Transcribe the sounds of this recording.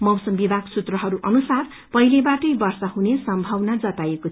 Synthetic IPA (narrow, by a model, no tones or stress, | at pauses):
mʌwsʌmbibʱaɡsut̪rʌɦʌɾuʔʌnusar | pʌilebaʈʌjbʌrsʌɦunesʌmbʱʌwnad͡zʌt̪ajeko